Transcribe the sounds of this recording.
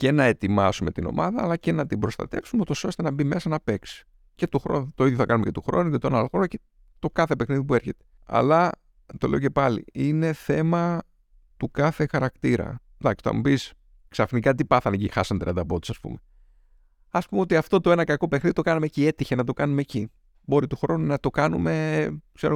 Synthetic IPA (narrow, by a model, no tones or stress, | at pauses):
ce̞nɐe̞t̪imɐsume̞t̪ino̞̰mʔɐðɐːlɐce̞nɐt̪ibɾo̞st̪ɐ̰t̪e̞fsumeut̪o̞so̞st̪e̞nɐbime̞sɐnɐpe̞ksi̥ | ce̞t̪oxɾont̪oiðjoθɐkɐnumece̞t̪uxɾo̞̰nucet̪oenɐloxɾonuce | t̪o̞kɐθe̞pe̞xniðipue̞ɾçe̞t̪e̥ | ɐ̰lɐ | t̪o̞le̞oce̞pɐlḭine̞θe̞mɐ | t̪ukɐθe̞xɐɾɐkt̪iɾɐ̰ | d̪ɐkst̪ɐ̰mupis | ksɐfnikɐt̪ipɐθɐnecixɐsɐnt̪ɾḭɐ̰nd̪ɐpo̞t̪i̥sɐspṵme | ɐspumeo̞t̪iɐft̪o̞t̪oe̞nɐkɐko̞pe̞xniðit̪o̞kɐnɐmecie̞t̪içenɐt̪o̞kɐnumeci | bo̞ɾit̪uxɾo̞nunɐt̪o̞kɐnṵme̞kseɾo